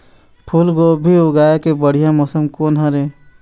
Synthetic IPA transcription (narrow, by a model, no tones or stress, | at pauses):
pʰulɡoːbʱioɡaːjekebəɽ̤ijãmɔːsəmkoːnɦɐɾeː